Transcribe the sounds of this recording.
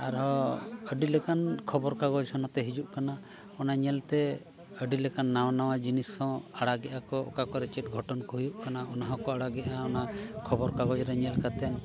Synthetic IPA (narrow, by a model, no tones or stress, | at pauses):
aɾɦɔəɖilɛkankʰɔbɔɾkaɡɔd͡ʒsɔnat̪ɛɦid͡ʒuʔkana | ɔnaɲɛlt̪ɛ | əɖilɛkanːawnawad͡ʒinisɔ̃aɽaɡɛʔakɔɔ̰kakɔɾɛt͡ʃɛt̪̚ɡʱɔʈɔnkɔɦujuʔkanaɔnaɦɔ̃kɔaɽaɡɛʔaɔnakʰɔbɔɾkaɡɔd͡ʒɾɛɲɛlkat̪ɛn